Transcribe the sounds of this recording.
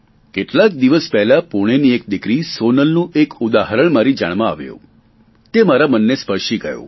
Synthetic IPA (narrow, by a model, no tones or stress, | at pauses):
keʈlak̚d̪iʋəspɛɦlapuɽ̃eniek̚d̪ɪkɾisonəlnũʔekud̪aɦəɾəɳmaɾid͡ʒa̰ɽ̃mãa̰ʋjṵ̃ | t̪emaɾamənːespəɾʃiɡəjṵ̃